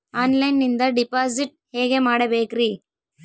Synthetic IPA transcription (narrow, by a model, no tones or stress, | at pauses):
aːnlɐjnːind̪ɐɖipaːsiʈ̚ | heːɡemaːɽɐbeːkɾi